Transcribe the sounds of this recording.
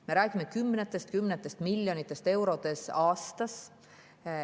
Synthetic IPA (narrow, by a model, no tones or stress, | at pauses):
me̞ɾæːɡ̥imːekymːnet̪ːˑest̪̚kymːnet̪ːˑest̪milʲjo̞nit̪ːˑe̞st̪e̞wɾo̞t̪e̞sɑːst̪ɑs